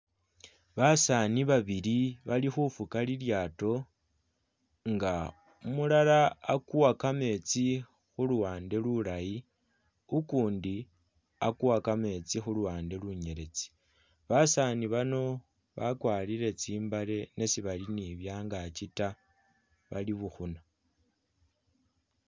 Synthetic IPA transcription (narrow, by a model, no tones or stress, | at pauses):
βasaniβaβiliβalixufukaliljaːto̞ | ŋɡa | umulalaːkuwakame̞t͡si | xuluwaːnde̞lulaji | ukuːndi | a̰kuwakame̞t͡sixuluwaːnde̞luɲe̞ɾe̞t͡si̥ | βasaniβano̞ | βakwaːlile̞t͡siːmbale̞ne̞siβaliniβjaːŋɡat͡ʃita | βa̰liβuxuna